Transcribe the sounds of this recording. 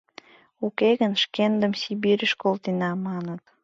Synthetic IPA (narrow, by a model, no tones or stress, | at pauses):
ukeɣənʃkend̪əmsibiɾʲəʃkolt̪inɑmɑnət̪